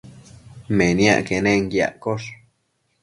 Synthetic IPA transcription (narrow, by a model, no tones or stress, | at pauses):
mẽnjã̰ʔkenẽŋɡja̰ʔkoʂ